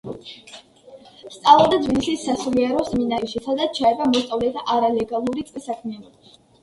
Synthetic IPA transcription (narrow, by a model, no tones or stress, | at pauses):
st̪sʼalˠad̪ad̪zvinisisːasuliɛɾɔsminaiʃisad̪at̪t͡ʃʰaɛbamɔst̪sʼavlɛt̪ʰaʔaɾalɛɡalˠuɾit̪sʼqʼɛsakʰmian